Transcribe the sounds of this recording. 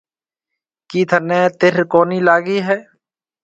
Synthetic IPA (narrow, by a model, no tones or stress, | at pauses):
kiːt̪ʰənẽːt̪ɪɾkoːniːlaːɡiːɦɛː